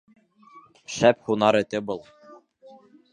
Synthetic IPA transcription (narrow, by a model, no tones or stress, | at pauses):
ʃæphunɑɾɘ̆t̪ɘbɤlˠ